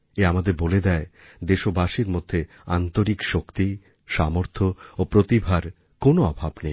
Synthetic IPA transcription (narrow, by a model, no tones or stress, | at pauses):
eamad̪eɾboled̪ɛe | d̪eʃobaʃiɾmod̪ʱːe | ant̪oɾikʃokt̪i | ʃamoɾt̪ʰoopɾot̪ibʱaɾ | konoɔbʱabnej